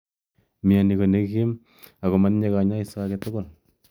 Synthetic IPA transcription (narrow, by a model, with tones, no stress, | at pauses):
mɪ˨a˨ni˨ko˨ne˦ki˦m | a˨ko˨ma˦nɲe˦ka˨ɲa˦i˨sa˦kɛ˦tʊ˦ko˨l